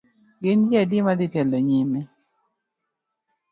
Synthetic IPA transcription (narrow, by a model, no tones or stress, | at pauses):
ɡɪnjɛdɪmad̪ɪtjɛlːɔɲimɛ